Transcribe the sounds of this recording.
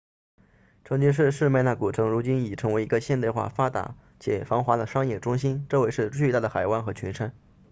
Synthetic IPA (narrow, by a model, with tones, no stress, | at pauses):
ʈ͡ʂʰɤ˧˥ŋt͡ɕy˧˥ʂ̬ɻ̩˥˧ʂɻ̩˥˧me˥˧ɪna˥˩ku˨˩ʈ͡ʂʰɤ˧˥ŋɻu˧˥t͡ɕi˥ni˨˩ʈ͡ʂʰɤ˧˥ŋwe˧˥ɪi˧˥ɡə˧ɕjɛ˥˧nt̪ɪxwa̰˥˩fa˥t̪a̰˧˥ | t͡ɕʰjɛ̰˨˩fɑ˧˥ŋxwa˧˥d̪ə˧ʂɑ˥ŋjɛ˥˩ʈ͡ʂʊ˥ŋɕi˥nʈ͡ʂɤ˥˧we˥˧ʂɻ̩˥˧t͡ɕy˥˧t̪a˥˩d̪ə˩xa˨˩ɪwa˥˩nxɤ˧˥t͡ɕʰy˧˥nʂʰə˥n